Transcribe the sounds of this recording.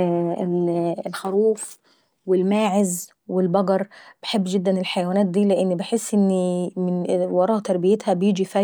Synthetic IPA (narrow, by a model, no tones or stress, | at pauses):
lxɑɾˤuːf | wɪlmaːʕɪz | wɪlbɑɡɑɾˤb̥ɪħebːd͡ʒɪd̪ːænɪlħajæwænæːt̪̚d̪iːlɪʔɪnːbɪħesːʔɪnːimɪnwɑɾˤɑːʔt̪ɑɾˤbɪjet̪hæbjiːd͡ʒifæ